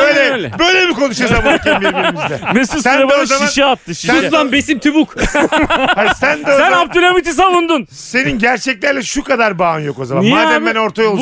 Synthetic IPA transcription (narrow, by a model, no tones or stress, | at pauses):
øjlʲɛbø̞jlʲebikʰo̞nuʃazabicæbiɾiɾimizd̪ɛmɛsusæeb̪ɛozaʃianʃɛat̪ːɯʃuslanbe̞simt̪ʰybuk | hasænd̪ɛsænap̚t̪ʰolʲamit̪is̬anund̪un | se̞ninɟæɾt͡ʃʰɛclʲæɾlʲɛʃukad̪aɾbaɯnjo̞ko̞zamanaːɛmbæno̞ɾt̪ʰajolˠ